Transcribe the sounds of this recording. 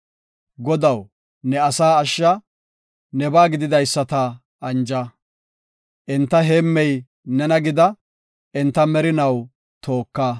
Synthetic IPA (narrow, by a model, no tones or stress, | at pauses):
ɡɔd̪ɐw | nɛɐsaːʃːɐ | nɛbaːɡɪd̪ɪd̪ɐjsːɐt̪ɐ | ɐnd͡ʒɐ | ʔɪnt̪ːɐɦeːmːɛj | nɛnɐɡɪd̪ɐ | ɛnt̪ːɐmɛɾɪnɐw | t̪ʰo̞ːkːɐ